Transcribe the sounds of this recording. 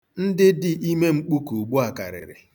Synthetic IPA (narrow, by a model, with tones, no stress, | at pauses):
n̩˦dɪ˦dɪ˨ʔi˦me˦ŋ͡m̩˦k͡pu˦ku˨ɡ͡bu˦a˨ka̰˨ɾɪ̰˨ɾɪ̰˨